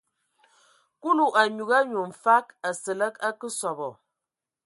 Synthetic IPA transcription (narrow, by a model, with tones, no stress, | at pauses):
ku˦lu˨ʔa˨ɲu˨ɣa˦ɲu˨m̩˨fa˦ka˨sə˨lə˦ka˦kə˦sɔ˨bɔ˨